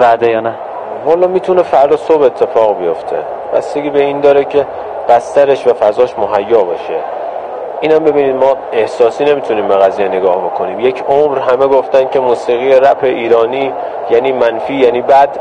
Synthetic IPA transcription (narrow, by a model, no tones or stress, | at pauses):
bæd̪ejɒːnæ | mɒlːɒːmiːt̪ʰune̞fæɾd̪ɒsobe̞t̪ʰːe̞fɒːɣbejo̞ft̪ʰe̞̰ | bæst̪eɡʲiːbe̞iːnd̪ɒːɾecʰe̞ | b̥æst̪æɾe̞ʃvæfæzɒːʃmoɦæjːɒːbɒ̰ːʃe̞ | ʔiːnæmbe̞biːniːd̪mɒːe̞hsɒːsiːne̞mit̪ʰuniːmbe̞ɣæzijeneɡɒːhbo̞kʰo̞niːmje̞cʰomɾɦæmeɡoft̪ænd̪̥cʰemuːsiːɣijeɾæpʰeʔiːɾɒːniː | jæniːmænfiːjæniːbæd̪